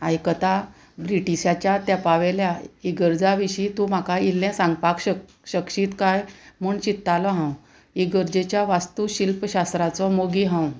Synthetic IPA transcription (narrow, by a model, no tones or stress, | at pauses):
ajkət̪a | bɾiʈiɕat͡ɕjat̪japaʋɛljaiɡəɾd͡zaʋiɕiːt̪ũm̤akailːɛ̃sãŋɡpakɕə | ɕəkɕiːt̪kajm̤uːɳt͡ɕit̪ːalɔɦãw | iɡəɾd͡ʑet͡ɕjaʋast̪uɕilpəɕast̪ɾat͡sɔmoɡiɦãw